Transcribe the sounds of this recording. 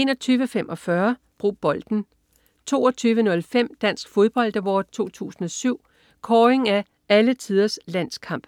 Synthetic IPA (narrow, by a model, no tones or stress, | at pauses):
e̝nɒ̽t͡sʰyːʋəfem̰ʔɒ̽fɶɐ | b̥ʁṵːb̥ɒ̽ld̥n̩ | t͡sʰo̝̰ːɒt͡sʰyːʋənɔ̽lfem̰d̥æn̰sɡ̥fo̝ð̞ˠb̥ɒ̽l̰d̥əʋɒ̰̥t͡sʰo̝̰ːt͡sʰṵːsn̩ɒ̽syʊ̰ | kʰɒːe̝ŋæ | ælət͡sʰið̞ˠɐslæn̰skʰɑ̈m̰b̥